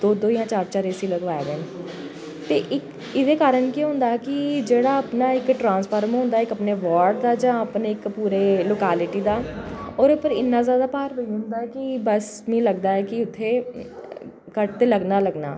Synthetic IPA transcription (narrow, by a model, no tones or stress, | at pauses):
d̪̥oːd̪oːijãːt͡ʃaːɾt͡ʃaːɾeːsiːləɡʋaːed̪eːn | t̪ḛːʔɪk | ɪd̪eːkaːɾəɳkiɦʊ̃ːnd̪aːɛːkɪd͡ʒeːɽaːəpnaːɪkʈɾãːnspʰəːɾmɦʊ̃nd̪aːɪkəpneːʋaːɾɖd̪aːd͡ʒãːəpneːɪkpuːɾeːloːkaːlɪʈiːd̪aːɔːɾʊpəɾɪnːãːzjaːd̪aːpaːɾbəiːɦʊ̃nd̪aːɛːkɪbəs | mẽːləɡd̪aːɛːkɪʊt̪ʰːeː | kəʈt̪eːləɡnaːləɡna̰ː